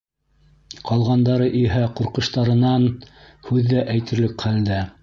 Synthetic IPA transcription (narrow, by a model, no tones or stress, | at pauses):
qɑlˠʁɑnd̪ɑɾɤʔiɦæquɾqɤ̆ʃt̪ɑɾɤ̆nɑn | hʉðːæʔæjt̪ɘ̆ɾlɘkχæld̪æ